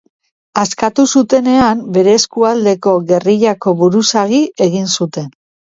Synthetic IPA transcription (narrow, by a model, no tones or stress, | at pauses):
askat̪usut̪e̞ne̞ambe̞ɾe̞ːskuald̪e̞ko̞ɣe̞riʎako̞βuɾusaɣie̞ɣinsut̪e̞n